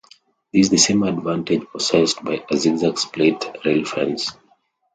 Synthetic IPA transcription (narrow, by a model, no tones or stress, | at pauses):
ðizðəsẽmadvãnted͡ʒpʰɔsɛsdbaɪʔaziɡzakspletɹelfã̰ns